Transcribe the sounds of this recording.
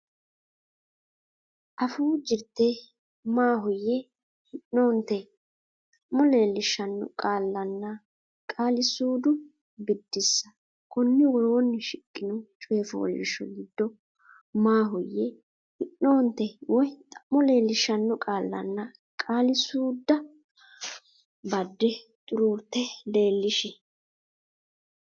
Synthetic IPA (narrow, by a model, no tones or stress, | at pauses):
ʔɐfuːd͡ʒɪɾt̪ːɛ | maːɦʊjːɛ | hɪnːoːnt̪ɛ | t̪ʼɐ̥mːɔle̞ːlːɪʃːɐnːʊ̰kʼaːlːɐnːɐ | kʼaːlɪsuːd̪ʊ | bɪd̪ːɪsːɐ̥ | kɔnːɪwɔɾoːnːɪʃɪkʼːɪnɔt͡ʃʼeːfo̰ːlɪ̰ʃɔ̰ɡɪd̪ːɔ | maːɦʊjːɛ | hɪʔːoːnt̪ɛwɔjt̪ʼɐʔmːɔle̞ːlːɪʃɐnːʊkʼaːlːɐ̰nːɐ | kʼaːlɪsuːd̪ːɐ | bɐd̪ːɛt̪ʼʊɾuːɾt̪ːɛle̞ːlːɪʃɪ